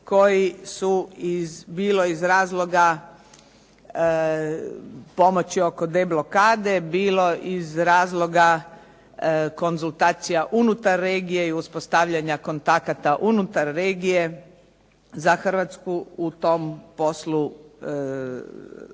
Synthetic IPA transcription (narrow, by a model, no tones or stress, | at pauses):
ko̞jisuizbiːlo̞izɾaːzlˠo̞ɡa | po̞mo̞t͡ɕio̞ko̞d̪e̞blˠo̞kaːd̪e̞biːlo̞ʔizɾaːzlˠo̞ɡa | ko̞nzulˠt̪aːt̪sijaʔunut̪aɾːeːɡije̞iuspost̪aʋʎaɲako̞nt̪akat̪aʔunut̪aɾːeːɡije̞ | zaxr̩ʋat̪skuut̪o̞mpo̞slu